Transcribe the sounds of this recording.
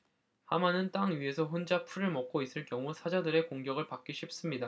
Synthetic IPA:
hamanɯnt͈aŋɥiɦe̞sʰʌɸond͡ʑapʰuɾɯɭmʌk̚k͈ois͈ɯɭkjʌŋusʰad͡ʑadɯɾe̞koŋɡjʌɡɯɭpak͈iɕʰip̚s͈ɯmɲida

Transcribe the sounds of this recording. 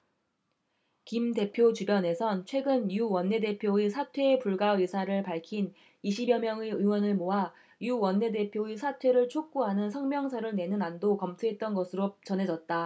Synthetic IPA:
kimde̞pʰjot͡ɕubjʌne̞sʰʌnt͡ɕʰwe̞ɡɯnjuwʌnːe̞de̞pʰjoisʰatʰwe̞ːpuɭɡaɯsʰaɾɯɭpaɭkʰin | iɕʰibjʌmjʌŋeɯwʌnɯɭmoɦa | juwʌnːe̞de̞pʰjoisʰatʰwe̞ɾɯɭt͡ɕʰok̚k͈uɦanɯnsʰʌŋmjʌŋsʰʌɾɯɭne̞nɯnandokʌmtʰuɦe̞t̚t͈ʌnɡʌsʰɯɾot͡ɕʌnɦe̞d͡ʑʌt̚t͈a

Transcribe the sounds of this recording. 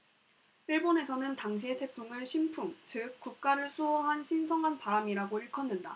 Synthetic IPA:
iɭbone̞sʰʌnɯntaŋɕ̬ʰie̞tʰe̞pʰuŋɯɭɕʰimpʰuŋt͡ɕɯk̚k͈uk̚k͈aɾɯɭsʰuwʌɦanɕʰinsʰʌŋanpaɾamiɾaɡoiɭkʰʌnːɯnda̰

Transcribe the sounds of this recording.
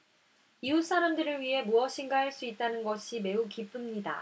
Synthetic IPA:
ius͈aɾamdɯɾɯɭɥiɦe̞muʌɕʰinɡaɦaɭs͈uit̚t͈anɯnɡʌɕʰime̞ukip͈ɯmɲida̰

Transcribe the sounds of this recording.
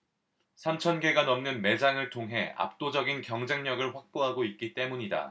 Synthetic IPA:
sʰamt͡ɕʰʌnɡe̞ɡanʌmnɯnme̞d͡ʑaŋɯɭtʰoŋɦe̞a̰p̚t͈od͡ʑʌɡinkjʌŋd͡ʑe̞ŋɲʌɡɯɭɸwak̚p͈oɦaɡoit̚k͈it͈e̞muɲida̰

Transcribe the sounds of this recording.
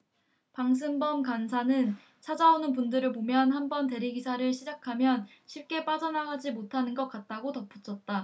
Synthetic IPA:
paŋs̬ʰɯmbʌmkansʰanɯn | t͡ɕʰad͡ʑaonɯnpundɯɾɯɭpomjʌnhanbʌnt̬e̞ɾiɡisʰaɾɯɭɕʰid͡ʑakʰamjʌn | ɕʰip̚k͈e̞p͈ad͡ʑʌnaɦad͡ʑimotʰanɯnɡʌk͈at̚t͈aɡotʌp͈ʰu̥t͡ɕʰʌt̚t͈a

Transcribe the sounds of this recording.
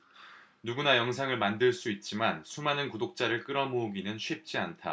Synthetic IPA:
nuɡunajʌŋsʰaŋɯɭmandɯɭs͈uit̚t͡ɕ͈imansʰumanɯnkudok̚t͡ɕ͈aɾɯɭk͈ɯɾʌmoɡinɯnɕʰwip̚t͡ɕ͈iantʰa̰

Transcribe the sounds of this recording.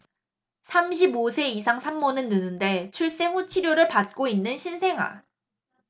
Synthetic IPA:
sʰamɕʰibosʰe̞isʰaŋsʰamːʌnɯnːɯnɯnde̞t͡ɕʰuɭs͈e̞ɸut͡ɕʰiɾjoɾɯɭpat̚k͈oinːɯnɕʰinsʰe̞ŋɦwa̰

